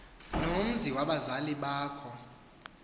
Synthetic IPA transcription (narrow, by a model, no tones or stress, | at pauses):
nom̩ziwaɓazaliɓaːkʰɔ